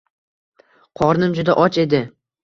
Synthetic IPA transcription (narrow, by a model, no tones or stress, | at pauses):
qʰɒɾnɪmd͡ʒʊd̪aʔɒt͡ʃe̞d̪ɪ